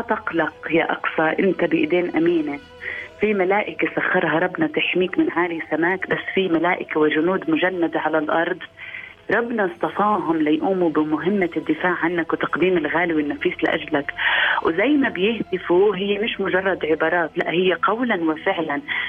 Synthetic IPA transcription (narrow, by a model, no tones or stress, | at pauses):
at̪ɑqlɑqjaʔɑ̰qsˤɑʔɪnt̪abɪʔɪd̪eːnʔamiːna | fimalaːʔɪkasaxːɑɾˤɦɑɾˤɑbnɑt̪aħmiːkmɪnʕaːlisamaːkbasːfimalaːʔɪkawɪd͡ʒʊnuːd̪mʊʒanːad̪aʕalalʔɑɾˤd̪ˤ | ɾˤɑbnɑst̪ɑfɑːɦʊmlajʔuːmubɪmʊɦɪmːad̪ːɪfaːʕʕanːakwt̪ɑ̥qd̪iːmɪlɣaːlɪwɪnːafiːslɪ̰ʔa̰ʒlakwzajːmabjɪhd̪ɪfuɦɪjːemɪʃmʊʒɑrˤːɑd̪ʕɪbɑːɾˤɑːt̪la̰ʔhɪjːeqɑwlanwɪfɪʕlan